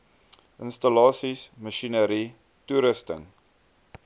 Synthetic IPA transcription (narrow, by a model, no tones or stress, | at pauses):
ʔənstəlɑːsisməʃinəɾi | tuɾəstə̰ŋ